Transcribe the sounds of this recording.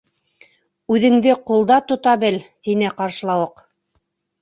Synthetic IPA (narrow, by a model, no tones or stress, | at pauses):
ʉðɘ̆ŋd̪ɘqulˠd̪ɑt̪ŏt̪ɑbɘlt̪inɘqɑɾʃlˠɑwɤq